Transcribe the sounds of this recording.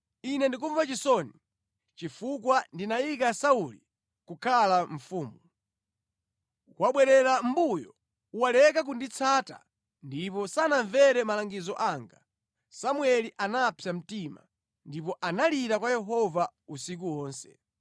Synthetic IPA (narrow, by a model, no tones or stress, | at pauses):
inɛndik̬uɱvat͡ʃisɔni | t͡ʃifukwandinajik̬asauli | kukʰalaɱ̩fuːmu | kwaɓwɛɾɛɾam̩bujɔ | uwalɛkak̬undit͡sʰaːta̰ | ndipɔsanaɱvɛɾɛmalaŋɡizɔʔaŋɡa | samuɛliʔanapʰjam̩tima̰ | ndipɔʔanaliɾakwajɛɦɔvausik̬uwɔːnsɛ̰